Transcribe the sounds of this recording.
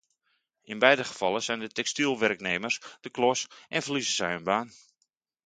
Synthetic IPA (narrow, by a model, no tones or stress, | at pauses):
ɪnbɛjdəχə̥fɑlˠəsɛjndətɛkstilˠʋɛrkneːmərsd̥əklɔsʔɛnfəlizəsɛjənbaːn